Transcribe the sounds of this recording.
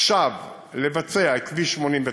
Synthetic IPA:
ʃav | le̞vat͡se̞aekviʃmo̞nimve

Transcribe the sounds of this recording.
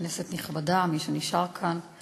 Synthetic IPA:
neset̪niχbadamiʃeniʃaʁkʰan

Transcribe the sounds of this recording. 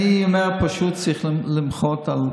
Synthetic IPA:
iɔmɛʁpaʃutt͡siχlɪmχɔtal

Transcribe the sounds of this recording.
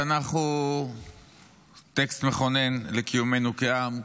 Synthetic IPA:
anaχu | t̪ekst̪meχo̞ne̞nlekijume̞nukeam

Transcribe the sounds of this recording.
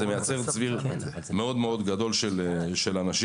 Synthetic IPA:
emejat͡seʁt͡sviʁ | meo̞d̪meo̞d̪ɡad̪o̞lʃelʃelanaʃi

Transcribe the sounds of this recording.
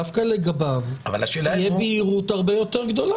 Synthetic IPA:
afkaleɡabavava̰laʃelajɛbiiʁut̪aʁbejo̞teʁɡd̪o̞la

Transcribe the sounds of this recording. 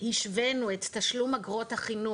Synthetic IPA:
hiʃvenuetːaʃlumaɡʁot̪haχinu

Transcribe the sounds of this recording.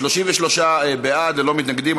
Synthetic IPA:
loʃiɱveʃlo̞ʃaebead̪lelo̞mit̪naɡd̪im

